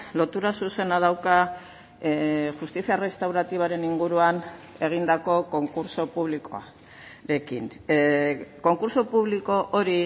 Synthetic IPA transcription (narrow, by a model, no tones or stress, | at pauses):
lo̞t̪uɾasuse̞nað̞awka | ʝust̪isiaere̞st̪awɾat̪iβ̞aɾe̞niŋɡuɾuane̞ɣ̞ind̪ako̞ko̞ŋkuɾso̞puβliko̞̰a̰ | ɾe̞kin | ko̞ŋkuɾso̞puβ̞liko̞ʔoɾi